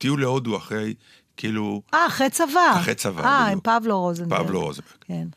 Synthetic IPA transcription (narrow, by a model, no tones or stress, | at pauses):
t̪ijuleod̪uaχʁej | kiiːluaːχʁejt͡savaaχejt͡sava̰aimpavloʁozenbpa̰vloʁozbeʁken